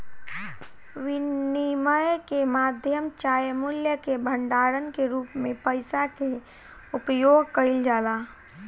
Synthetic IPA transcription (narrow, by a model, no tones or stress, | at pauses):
ʋɪniməjkemaːd̪ʱjəmt͡ʃaːjəmʊljəkebʱəɳɖaːɾənkeɾuːpmẽpəɪsake | ʊpjoɡ̚kəɪld͡ʒaːlaː